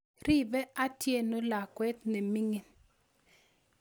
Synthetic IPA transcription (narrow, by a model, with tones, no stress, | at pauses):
ɾi˦bɛ˦a˦tje˦no˦la˨kwɛ˦tne˨mi˦ŋi˨n